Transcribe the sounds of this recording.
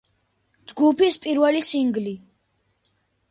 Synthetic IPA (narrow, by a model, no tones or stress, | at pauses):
d͡ʒɡupispʼiɾvɛlisiŋɡli